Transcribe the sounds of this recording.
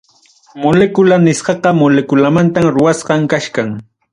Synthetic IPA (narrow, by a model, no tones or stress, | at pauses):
molekʊlanɪsɢɑqɑmolekʊlamant̪amɾʊwasɢɑŋkaʃkaŋ